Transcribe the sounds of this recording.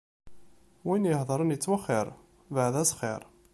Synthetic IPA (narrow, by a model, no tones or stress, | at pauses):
winjəhðˤəɾˤənjət͡sːwəχːɪɾˤ | vəʕðæsχɪ̰ɾˤ